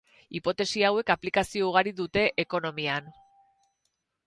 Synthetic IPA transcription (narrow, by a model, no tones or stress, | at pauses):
ipo̞t̪e̞siawe̞kaplikasio̞uɣ̞aɾiðut̪e̞ʔeko̞no̞mian